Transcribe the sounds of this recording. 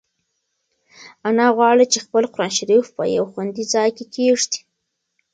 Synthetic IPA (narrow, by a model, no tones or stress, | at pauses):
anɑɣwɑɽit͡ʃexpəlqʊɾɑnʃaɾifpə̰ja̰wxwand̪izɑjkekeʐd̪i̥